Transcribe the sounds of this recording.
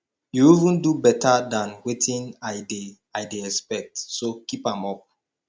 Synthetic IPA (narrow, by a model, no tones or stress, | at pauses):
juivũndubɛtʰadãnwetĩnajde | aɪdeɛspɛk̚tsokipãmɔp̚